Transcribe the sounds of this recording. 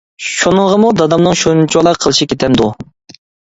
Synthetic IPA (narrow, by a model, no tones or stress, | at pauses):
ʃunɨŋʁəmud̪ɑd̪ɑmnɨŋʃunt͡ʃʰolˠɑqʰəlˠɨʃikʲʰet̪ʰɛmd̪u